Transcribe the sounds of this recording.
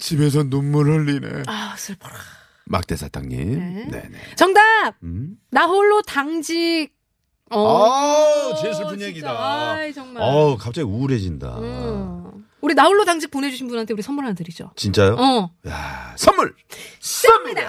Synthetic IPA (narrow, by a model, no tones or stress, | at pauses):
t͡ɕibe̞s̬ʰʌnomːuɭɦʌɭːinḛasʰɯɭpʰʌ̥ɾa | ma̰k̚t͈e̞sʰat͈ʰaŋɲḭmnḛnḛt͡ɕʌŋdap̚naoɭːotaŋd͡ʑiɡ̚ | ʌ | t͡ɕes̬ʰɯɭpunjeɡidajt͡ɕʌŋmaʌkap̚t͡ɕ͈aɡiuɾe̞d͡ʑinda̰ | uɾinaoɭːodaŋd͡ʑik̚pone̞d͡ʑuɕʰinbunɦantʰeuɾisʰʌmːuɭɦandɯɾid͡ʑot͡ɕint͡ɕ͈ajoʌjasʰʌmːuɭ | ʌmda